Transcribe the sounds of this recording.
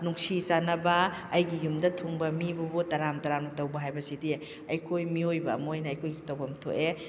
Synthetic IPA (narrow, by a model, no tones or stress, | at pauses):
nuŋsisanɐbɐːjɡijumdɐtʰuŋbɐmibubutɐɾamtaɾamɐtɐwbɐɦajbɐsidi | ɐjkʰojmiojbɐmojnɐɐjkʰojsi̥tɐwbɐmtʰo̰ʔe